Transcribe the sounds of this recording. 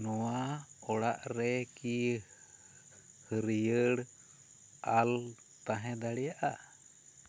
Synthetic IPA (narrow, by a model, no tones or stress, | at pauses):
nɔwaɔɽaʔɾɛki | həɾijəɽ | al | t̪aɦɛ̃d̪aɽɛjaʔa